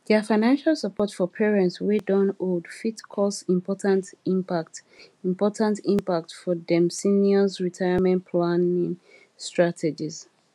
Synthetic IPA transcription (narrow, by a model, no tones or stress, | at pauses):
dɛəfaɪnãnʃalˠsəpʰɔtfɔpʰɛɹɛ̃ntswidɔ̃noldfitkʰɔsĩmpʰɔtʰãntĩmpaktĩmpɔtʰãntĩmpak̚tfɔdɛ̃msiniɔzɹitʰaɪəmɛ̃npʰlanĩŋ | stɹatʰɛd͡ʒiz